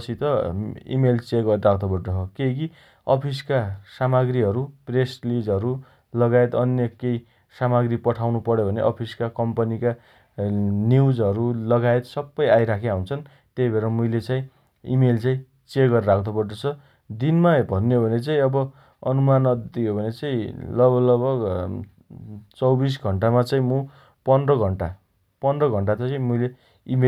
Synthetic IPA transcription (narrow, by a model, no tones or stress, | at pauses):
ʌsʰit̪ʌḭmelt͡seɡʌɾɾakʰd̪obʌʈʌɦokeki | ʌpʰiskasamaɡɾiɦʌɾupreslid͡zɦʌɾu | lʌɡaet̪ʌnjʌkej | samaɡripʌʈʰawnupʌɾjobʱʌneʔʌpʰiskakʌmpʌnika | niwd͡zɦʌɾulʌɡaet̪sʌbːʌjajɾakʰeaɦunt͡sʰʌn | t̪ejbʱeɾʌmujlet͡saĩ | ḭmelt͡saĩ | t͡seɡʌɾɾakʰd̪opʌnʌt͡sʰʌ | d̪inmabʱʌnːjobʱʌnet͡saĩʌbʌ | ʌnumanʌd̪t̪ijobʱʌnet͡saĩlʌbʌlʌbʌk | t͡sʌwbis̬ɡʱʌɳʈamat͡saĩmũ | pʌnrʌɡʱʌɳʈa | pʌndrʌɡʱʌɳʈatʌãmujle | ime